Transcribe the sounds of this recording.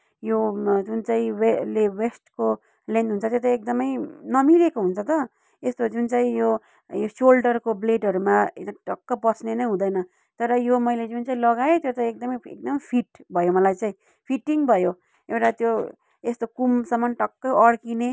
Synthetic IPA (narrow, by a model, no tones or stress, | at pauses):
jod͡zunt͡saĩwelewesʈko | lend̪ɦunt͡sʰʌt̪jot̪aek̚d̪ʌmʌjnʌmiɾekoɦunt͡sʰʌt̪ʌ | est̪od͡zunt͡saĩjo | josolɖʌrkobleʈʌɾumaʈʌkːʌbʌsnenʌɦũd̪ʌjnʌ | t̪ʌɾʌjomʌjled͡zunt͡saĩlʌɡaet̪jot͡saĩek̚d̪ʌmʌjḛk̚d̪ʌmʌjpʰiʈbʱʌjomʌlajt͡saĩ | pʰiʈiŋbʱʌjo | ewʈat̪jo | est̪okumsʌmːʌnʈʌkːʌʌɽkine